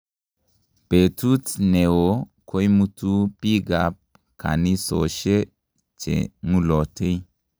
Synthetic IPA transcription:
b̥e˨tu˦tne˨wo˨kʰo˦jmu˦tu˦pi˦ɡa˨p̚ | ka̰˨ni˦so̰˨ʃe˦ | t͡ʃḛ˨mu˦lɔ˨tʰe˦j

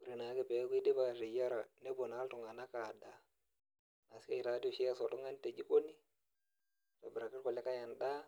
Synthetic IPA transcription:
u˨ɾi˨na˨˦ke˦pe˨˦ki˦de˦ba˨ɾe˨ja˦ɾa˨ne˦bo˨na˨˦ltu˨ŋa˨na˦ka˨da˦ | na˨ska˦i˦˨ɾa˨˦di˦o˨ʃi˦a˦so˨tu˦ŋa˦n˦te˨d͡ʒi˦ko˦ni˦ | to˨bɾa˨ki˦ɾko˨le˦ka˦ɲa˨nda˦

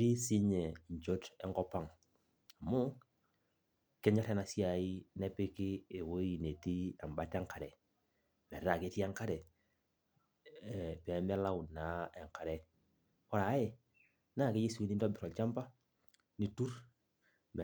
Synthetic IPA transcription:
ɾi˦si˦ɲɛ˨ɲt͡ʃo˦tɛ˦˨ŋɡɔ˦pa˦˨ŋ | a˨mʊ˦ | kɛ˦ɲɔ˦ɾɛ˦na˨si˦a˨i˦nɛ˦pɪ˦kɪː˦˨wo˦i˨ne˨ti˦a˨mba˨˦tŋka˨ɾɛ˨ | mɛ˨˦a˨ke˨˦ti˦a˦ŋka˦ɾɛ˨ | pɛ˨˦mɛ˦la˦wu˨na˨˦ɛ˨ŋka˨ɾɛ˨ | ɔ˦ɾa˨˦jɛ˨ | na˦˨ke˦ji˦su˦i˦ni˦ndɔ˦bi˨ɾɔ˨lt͡ʃa˦mba˦ | ni˨tu˦ɾ | mɛ˨

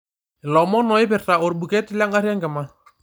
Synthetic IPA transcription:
ɪ˨lɔ˨mɔ˦nɔ˨ɪ˦pɪ˨rta˨o˨rɓu˨kɛ˦tɪ˦la˦ŋa˦ɾa˦ŋɡɛ˨ma˦

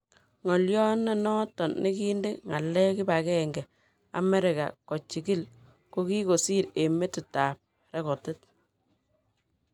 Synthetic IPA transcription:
ŋɔ˨ljɔ˦nːɛ˨nɔ˦tɔ˨nne˦ki˦nde˦ŋa˨lːɛ˦kɪ˦ba˨kɛ˦ŋɡɛ˨ | a̰˨mɛ˦ɾɪ˨ka̰˨kɔ˨t͡ʃi˨ki˦l | ko˦ki˦ko˨si˦ɾe˨me˦tɪ˨taː˨p̚ | rɛ˦kɔ˨tɪ˦t̚

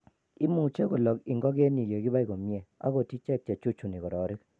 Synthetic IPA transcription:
i˦mu˨t͡ʃe˦ko˨lɔ˨kɪ˨ŋɡɔ˦ɡe˦ni˨je˨ɡɪ˦ba˦i˨ɡo˨mje˨a̰˦ɡo˨ti˦t͡ʃɛ˦k̚t͡ʃe˨t͡ʃu˦t͡ʃu˨ni˨kɔ˨ɾɔ˨˦ɾɪ˦k

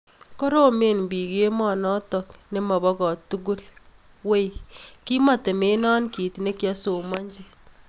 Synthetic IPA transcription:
kɔ˦ɾo˦me˨nbi˨ke˦mɔ˨nɔ˦tɔ˨kne˦ma˨bɔ˦kɔ˨tu˦k̬u˦l | we˦jki˦ma˨te˨me˦nɔ˦nki˨tne˦kja˦so˨ma˦ɲd͡ʒi˦

